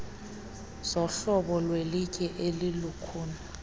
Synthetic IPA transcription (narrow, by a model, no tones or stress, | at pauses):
z̥ɔɬɔɓɔlwelikʼɛʔelilukʰuːna